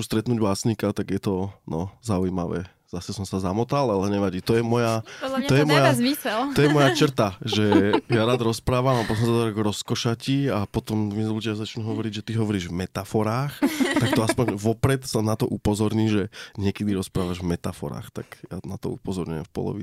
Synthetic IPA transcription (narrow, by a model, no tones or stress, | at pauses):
ust̪ɾɛt̪nuːɟbasɲikat̪aɡjɛt̪ɔnɔzaujima̰ʋɛ̰ː | z̥asɛsɔmsazamɔt̪alalɛɲɛʋaɟiːt̪ɔjɛmɔjaɔjɛmɔjazmisɛlt̪ɔjɛmɔjat͡ʃr̩t̪aʒɛjaɾaːd̪ɾɔspɾaːʋamapɔt̪ɔmsad̪aɾɡɾɔskɔʃaciapɔt̪ɔmmizɔbut͡ʃazat͡ʃnuɦɔʋɔɾiɟʒɛt̪iɦɔʋɔɾiːʒvmɛt̪afɔɾaːxt̪akt̪ɔaspɔɲʋɔpɾɛt̪sanat̪ɔʔupɔzɔɾɲiːʒɛɲɪɛkɛd̪iɾɔspɾaːʋaʒvmɛt̪afɔ̰ɾa̰ːxt̪aɡja̰nat̪ɔ̰upɔzɔɾɲṵjɛ̰mfpɔ̰lɔ̰ʋi